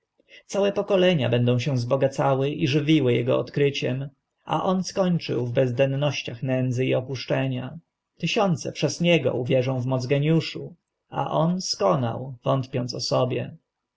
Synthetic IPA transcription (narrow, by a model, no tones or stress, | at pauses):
t̪sawɛpɔkɔlɛɲa̰bɛnd̪ɔ̃w̃ɕɛ̃zbɔɡat̪sawɘʔiʐɘvʲiwɘjɛɡɔɔt̪kɾɘt͡ɕɛm | ʔa̰ʔɔnskɔɲt͡ʂɘ̰wvbɛzd̪ɛnːɔɕt͡ɕaxnɛnd̪zɘiɔpuʂt͡ʂɛɲa | t̪ɘɕɔnt̪sɛpʂɛzɲɛɡɔ̰uvʲjɛʐɔ̃w̃vmɔd̪zɡɛɲjuʂu | a̰ʔɔnskɔna̰wvɔnt̪pʲjɔnt̪sɔsɔbʲjɛ̰